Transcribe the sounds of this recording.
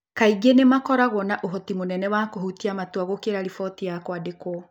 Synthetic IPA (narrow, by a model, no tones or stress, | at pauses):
kaiɡenemakɔɾaɣwɔnaʔoɦɔtimonɛnɛwakoɦutiamatwaɣokeɾaɾifɔtijakwadekɔ